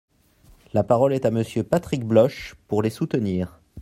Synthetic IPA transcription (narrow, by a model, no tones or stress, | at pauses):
lapaʁɔlɛt̪aməsjøpat̪χik̚blɔʃpuʁlesut̪əniːʁ